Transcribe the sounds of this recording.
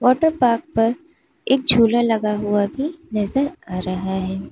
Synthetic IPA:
ʋɔːʈəɾpaːɾk̚pɐɾ | eːk̚d͡ʒʱuːlalɐɡaɦuabʱinɐzəɾaːɾɐɦaɦɛː

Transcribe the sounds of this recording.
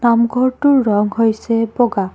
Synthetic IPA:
namɡʱɔɹtuɹːɔŋhojsebɔɡa

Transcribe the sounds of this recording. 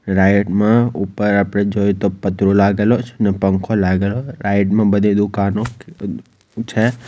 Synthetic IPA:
ɾajʈmãupəɾapɽed͡ʒojt̪opət̪ɾolaɡelot͡ʃʰenɛpəŋkʰolaɡeloɾajʈmãbəd̪ʱed̪ukano | t͡ʃʰe

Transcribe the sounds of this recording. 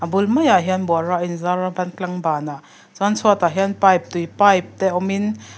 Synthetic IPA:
ʔabulmɐjaɦiənbɔraʔinzaɾabɐnklaŋbaːna | zɔnt͡sʰut̪aɦianpajp̚t̪ujpajp̚t̪ɛʔɔmin

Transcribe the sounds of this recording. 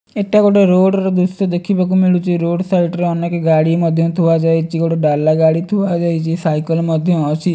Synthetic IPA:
eʈaɡoʈeɾoɽɾɔd̪ust̪ɔd̪ekʰibakumiɭut͡ʃiɾoɖsaiʈɾeɔnekeɡaɽimɔd̪ʱjɔt̪ʰuʋad͡ʒajt͡ʃʰiɡoʈeɖalːaɡaɽit̪ʰuʋad͡ʒajt͡ʃʰisajkəlmɔd̪ʱjɔːt͡ʃʰi

